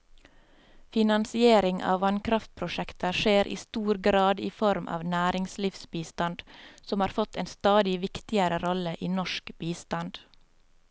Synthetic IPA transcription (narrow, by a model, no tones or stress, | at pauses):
fɪnɑnsɪeːɾɪŋʔɑ̰ːʋɑnkʰɾɑft̪̚pʰɾʊʃɛkt̪ʰəʃeːɾʔḭːst̪uːɾɡɾɑːd̪ḭːfɔɾmʔɑ̰ːʋnæːɾɪŋslifsbiːst̪ɑnd̪̥sɔmhɑːɾfɔt̪eːnst̪ɑːd̪ɪʋɪkt̪ɪəɾəɾɔləʔiːnɔʃkbiːst̪ɑnd̪̥